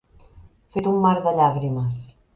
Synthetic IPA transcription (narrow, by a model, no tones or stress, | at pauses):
fet̪umːaɾðəʎaɣɾiməs